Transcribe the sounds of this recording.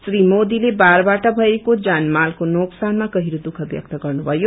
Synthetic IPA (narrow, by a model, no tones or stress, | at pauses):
srimod̪ilebaɾbaʈʌbʱʌekod͡zanmalkonoksanmakʌɦiɾod̪ukʰʌbjʌ̰k̚t̪ʌɡʌrnubʱʌjo